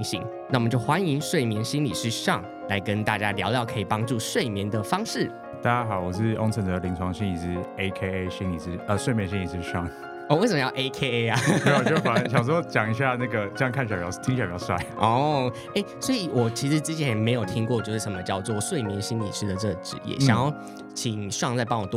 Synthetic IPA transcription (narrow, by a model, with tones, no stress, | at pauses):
ŋɕḭ˧˥ŋna˥˩wmə˦t͡ɕjo˥˩ʊxwa˥ni˧˦˥ŋʂwe˥˩ɪmjɛ˧˥nɕi˥nli˨˩ʂɻ̩˥˧ʂɑ̰˥˩ŋ | la˧˥ɪkə˦nt̪a˥˩t͡ɕja˦ljɑ̰˧˥ʊljɑ˥˩ʊkʰɤ˧˥i˨˩pɑ˥ŋʈ͡ʂu˥˧˨ʂwe˥˨˩ɪmjɛ˧˥nd̪ə˨fɑ˥ŋʂɻ̩˥˩ | t̪a˥˩t͡ɕja˥xɑ˨˦ʊwɔ˨˩ʂɻ̩˥˩o̰˥ŋt͡sʰə˧˥nd̪ə˩li˧˥ŋt͡sʰwɑ˧˥ŋɕi˥ni˨˩ʂɻ̩˧˥e˥ɪkʰe˥e˥ɕi˥nli˨˩ʂɻ̩˥˩ə˧ʂwe˥˩ɪmjɛ˧˥nɕĩ˥li˨˩ʂɻ̩˥˩˧ʂɑ˥˩ŋ | o˥˩we˥˩ɪsə˨mə˦jɑ˥˧ʔe˥ɪkʰe˥e˥a˧˦t̪e˥˩wɔ˨˩t͡ɕo˥˩fa˨˩n˥ɕjɑ˨˩ʂ̬o˥˧t͡ɕjɑ˨˩ŋi˧ɕ̬ja˥˧na˥˩ɡə˩t͡ɕjŋkʰa˥˩n˩ɕɥɑ˨˩mjɑ˧˥ʊ˥t̪ʰi˥ŋɕɥɑ˨˩mjɑ˧˥ʊʂwa̰˥˧ʔɔ˥˩ | e˥˩ɪswɔ˧˥i˨wʔɔ˨˩t͡ɕʰi˧˥ʂɻ̩˧˥t͡sɻ̩˥t͡ɕʰjɛ˧˦nme˧˥ɪjo˨˩ʊt̪ʰi˥ŋkwɔ˥˧t͡ɕjo˥˧ʊʂɻ̩˥˩ʂmə˧˦t͡ɕjɑ˥˧ʊt͡swɔ˥˩ʂwe˥˩ɪmɛ˧˥nɕi˥nlḭ˨˩ʂʰɻ̩˧˥d̪ə˨ʈ͡ʂɤ˥˩ɡəʈ͡ʂɻ̩˨˦jɛ̰˨˩ɕjɑ˨ŋjɑ˥˩ʊ | t͡ɕʰi˨˩ŋʂwɑ˥˧ŋt͡sa˥˧ɪpɑ˥ŋwɔ˨˩t̪